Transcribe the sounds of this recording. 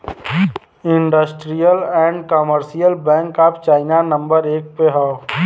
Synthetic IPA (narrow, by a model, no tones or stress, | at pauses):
ɪ̃ɳɖəsʈɾijəlɛ̃ːɳɖkəməɾsijəlbɛ̃ːŋkaːpt͡ʃaːɪnanə̃mbəɾeːk̚peɦɔː